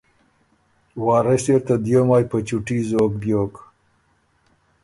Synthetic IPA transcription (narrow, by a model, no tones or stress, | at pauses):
wɑːɾeseɾt̪ad̪jomaːjpət͡ɕuʈizoːkb̪joːk